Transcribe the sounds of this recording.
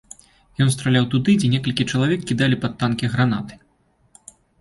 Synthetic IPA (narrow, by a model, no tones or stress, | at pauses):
jɔnst̪ɾalʲawt̪ud̪ɨd͡zʲɛnʲɛkɐlʲkʲit͡ʂɐlˠavʲɛkːʲid̪alʲipat̪ːankʲiɣɾanat̪ɨ̥